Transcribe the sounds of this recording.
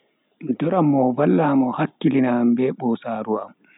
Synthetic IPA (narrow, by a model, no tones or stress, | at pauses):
dɔɾamːɔvalːaːmɔhakːilinambɛɓɔsaːɾuam